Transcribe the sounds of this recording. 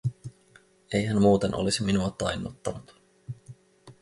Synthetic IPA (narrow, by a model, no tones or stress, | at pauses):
e̞jɦænmuːt̪e̞nʔo̞̰lisiminuɑt̪ɑjnːut̪ːɑnut̪